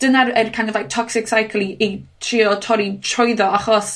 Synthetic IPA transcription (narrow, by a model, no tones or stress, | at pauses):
d̥ənaərkʰanɔðaj̚tʰɔksɪksajkʰlˠiʔetʰriɔtʰɔɾitʰrɔɨðɔaχɔs